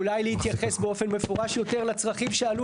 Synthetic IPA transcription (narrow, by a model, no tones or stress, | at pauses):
lajlehit̪jaχe̞sbeo̞fe̞nmefoʁaʃjo̞t̪eʁlat͡sʁaχimʃealu